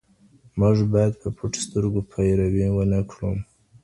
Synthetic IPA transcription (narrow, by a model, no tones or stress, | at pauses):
mʊʐbɑjad̪̚pʰəpʰuʈst̪əɾɡopʰajɾawiwənakʰɽum